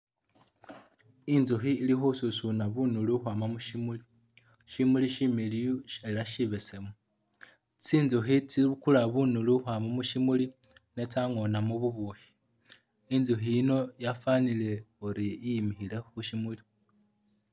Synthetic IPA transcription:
inzuɦiːlixususunaβunuluxwaːmamuʃimuli | ʃimuliʃimiliuelaʃiβesemu | t͡siːnzuxit͡siβukulaβunuluhwaːmamuʃimulinetaŋo̞namuβuβohi̥ | inzuɦiːno̞jafanile̞oɾiimixilexuʃimuli

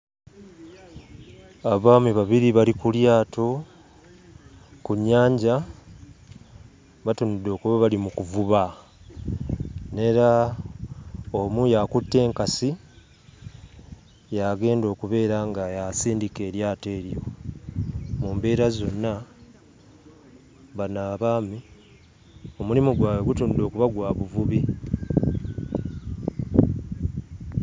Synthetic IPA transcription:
aβaːmiβaβiɾiβalikuljaːtʰo̞ | kuɲːaːɲɟa | βatunid̪ːo̞ːkuβaβalimukuvuβa | ne̞ɾa | omujakutːe̞ːŋkasi | jaɡe̞ːndo̞ːkuβe̞ːɾaŋɡajasiːndike̞ːɾjaːte̞ːɾjo̞ | muːmbe̞ːɾazo̞nːa | βanaːβaːmi | omulimuɡwaːweɡutuːndo̞ːkuβaɡwaːβuvuβi

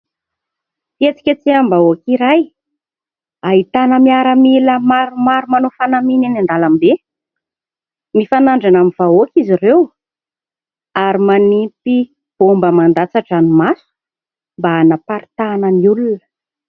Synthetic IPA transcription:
et͡si̥kʲət͡siambaokiɾaj | ait̪anəmiaɾamiləmaɾumaɾumanofanamininand̪alamibe | mifanaɳɖ͡ʐanaminv̥aokʲizirew | aɾimanit̪i | b̥ombəmand̪at͡saʈ͡ʂanumasu̥ | mbaanapaɾit̪anəniulunə

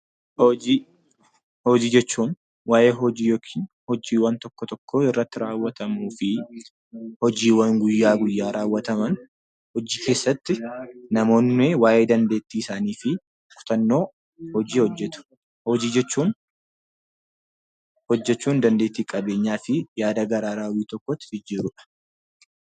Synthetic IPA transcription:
hɔd͡ʒiː | hɔd͡ʒiːd͡ʒɛt͡ʃːuːn | waːʔe̞ːɦɔd͡ʒiːjoːkʰi̥ːnhɔd͡ʒiːwɐnt̪ɔkːɔt̪ɔkːoːɪrːɐt̪ːɪɾaːwːɐt̪ɐmuːfɪ | hɔd͡ʒiːwɐŋɡʊjːaːɡʊjːaːɾaːwːɐt̪ɐmɐn | hɔd͡ʒiːkʰe̞ːsːɐt̪ːɪnɐmo̞ːnːɪwaːʔe̞ːd̪ɐnd̪e̞ːt̪ːiːɪsaːniːfɪ | fʊ̥t̪ɐnːo̞ː | hɔd͡ʒiːhɔd͡ʒːɛt̪ʊ̥ | hɔd͡ʒiːd͡ʒɛt͡ʃːuːn | hɔd͡ʒːɛt͡ʃːuːnd̪ɐnd̪e̞ːt̪ːiːkʼɐbe̞ːɲːaːfɪjaːd̪ɐɡɐɾaːɾaːwiːt̪ɔkːɔt̪ːɪd͡ʒɪd͡ʒiːɾʊᶑɐ̥

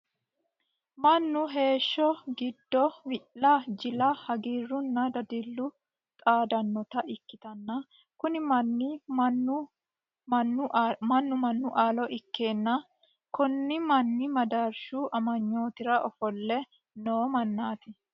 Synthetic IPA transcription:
mɐnːʊɦe̞ːʃːɔɡɪd̪ːɔwɪʔlɐd͡ʒɪlɐhɐɡiːrːʊnːɐd̪ɐd̪ɪlːʊ | t̪ʼaːd̪ɐnːɔt̪ɐʔɪkːɪt̪ɐnːɐ | kʊnɪmɐnːɪnː | nːmɐnːʊmɐnːʊʔaːlɔʔɪkːe̞ːnːɐ | kɔnːɪmɐnːɪmɐd̪ɐɾʃuʔɐmɐɲːo̞ːt̪ɪɾɐʔɔfɔlːɛ | noːmɐnːaːt̪ɪ

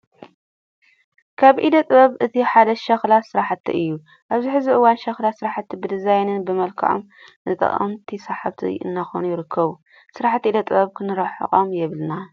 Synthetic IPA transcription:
kʰaβʔid̪ɐt̪ʼɨβɐβɨt̪ʰiħad̪ɐʃɐxlasɨɾaħt̪ʰːḭʔɨjːu | ʔaβziħɨziʔɨwanʃɐxlasɨɾaħt̪ʰːibɨd̪ɨzajnɨnbɨmɐlkʰa̰ʕom | nɨt̪ʼɐ̰χʼɐ̰mt̪ʰisaħaβt̪ʰḭɨ̰nːaxonujɪɾɨkʰːɐβu | sɨɾaħt̪ːʔid̪ɐt̪ʼɨbɐβkʰɨnɨɾɐħo̰χʼomjɛβɨlna

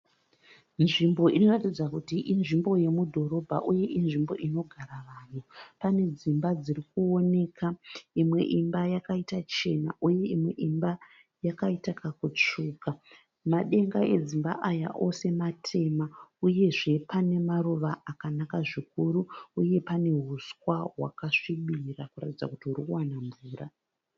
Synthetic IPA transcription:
nʐimbo̞ino̞ratid͡zakutiʔinʐimbo̞je̞mudʱo̞ɾo̞bʱa̰ʔuje̞ʔinʐimbo̞̰ʔino̞ɡʱaɾaʋaːn̤upane̞d͡zimbad͡zirikuo̞ne̞kʰaimwe̞̰ʔimbajakaitat͡ʃe̞na̰ʔuje̞imwe̞ʔimba | jakaitakakut͡ʂuːka | maɗe̞ŋɡae̞d͡zimba̰ʔaja̰ʔo̞se̞matʰe̞mauje̞ʐe̞pane̞maruʋaakanakaʐikuɾuːje̞pane̞ɦuskwaɦwa̰kaʂiɓirakura̰tid͡zakutiɦuɾikuwanaɱvuːɾa

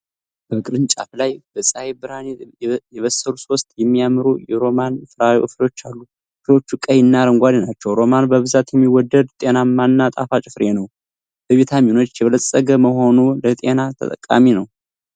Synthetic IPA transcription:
b̥əkʼɨɾɨnt͡ʃʼa̰flajb̥əsʼajebɨɾanejɛβəsːəɾuso̞st̪ʼjɛmːijamɾujɛɾo̞manɨfɨɾaw̰ʔɨflo̞t͡ʃːalːu | flo̞t͡ʃːukʼəjɨnːaɾəŋɡʷad̪inat͡ʃːɛwɾo̞manbəβɨzat̪jɛmːiwɔd̪ːəd̪t̪ʼenamanːat̪ʼa̰fat͡ʃʼɪfɾe̞nəw | b̥əβet̪ʰamino̞t͡ʃːjɛβələsʼːəɡəməɦo̞nulət̪ʼe̞nat̪ʰə̰t̪ʼə̰kʼːa̰minəw

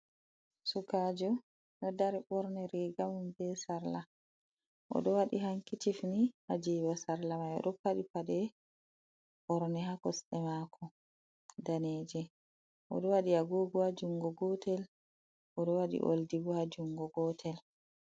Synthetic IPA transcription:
sukad͡ʒɔ | ɗɔdaɾiɓɔɾnɛɾiɡamumbɛsaɾla | ʔɔ̰ɗɔwaɗiɦaŋkitifniad͡ʒibasaɾlamajɔ̰ɗɔpaɗipadɛ | ɓɔɾnɛhakɔsɗɛmakʰɔ | daneːd͡ʒɛ | ʔɔ̰ɗɔwaɗiaɡoːɡɔad͡ʒuŋɡɔɡɔtɛl | ʔɔɗɔwaɗḭʔo̰ldibɔhad͡ʒuŋɡɔɡɔtʰɛl

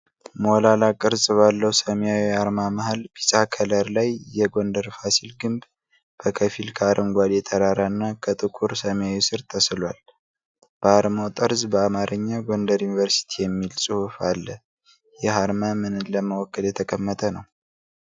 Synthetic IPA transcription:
molalakʼɨɾzʼβalːəwsəmjawiaɾmamahalbisʼakʰələɾlajjɛɡo̞nd̪əɾfasilɡɨmb | b̥əkʰəfilkʰaɾʔəŋɡʷad̪jɛt̪ʰəɾaɾanːakʰət̪ʼɨkʼuɾsəmjawisɨɾt̪ʰəsɨlwal | b̥əaɾmot̪ʼɨɾzbəamaɾʔəɲːaɡo̞nd̪əɾjunivəɾsi̥t̪ʰijɛmːilsʼɨhufalːə | jɛɦaɾmamɨnɨləməwɔkːəljɛt̪ʰəkʼəmːət̪ʰənəw

